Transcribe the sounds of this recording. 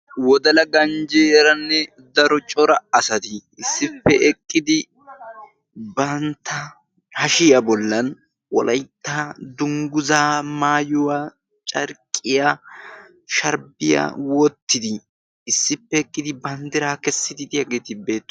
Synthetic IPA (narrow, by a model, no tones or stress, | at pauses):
wɔd̪ɐlɐɡɐnd͡ʒeɛɾɐnːɛ | d̪ɐɾɔt͡ʃʼɔɾɐɐsɐt̪ɪːsːɪpːɛʔɛkʼːɪd̪ɪ | bɐnt̪ʰːɐ | hɐʃɪjɐbɔlːɐn | wɔ̰lʔɐjt̪ːad̪ʊŋɡʊzaːmaːjʊwa | t͡ʃʼɐɾkʼːɪja | ʃɐɾbɪja̰wɔt̪ːɪd̪ɪː | sːɪpːɛːkʼːɪd̪ɪbɐnd̪ɪɾakɛsːɪd̪ɪd̪ɪjɐɡeːt̪ɪbe̞ːt̪ː